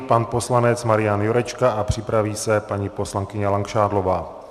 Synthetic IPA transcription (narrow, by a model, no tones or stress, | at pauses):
panpo̞slanɛt͡smaɾɪjanjoɾɛt͡ʃkaʔapr̝̥ɪpɾaviːsɛpaɲipo̞slaŋkɪɲɛlaŋkʃaːdlo̞vaː